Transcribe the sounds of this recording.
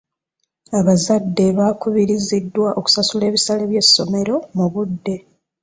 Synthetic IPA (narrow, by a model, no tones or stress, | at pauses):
aβazadːe̞βaːkuβiɾizidːwaʔo̞ku̥sasule̞ːβisaleβje̞sːo̞me̞ɾo̞muβudːe̞